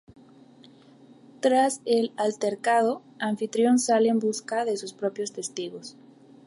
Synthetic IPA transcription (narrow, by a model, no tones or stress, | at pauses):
t̪ɾaselalt̪eɾkaðo | aɱfit̪ɾjo̞nsaleːmbuskaðe̞suspɾo̞pjo̞st̪e̞st̪iɣo̞s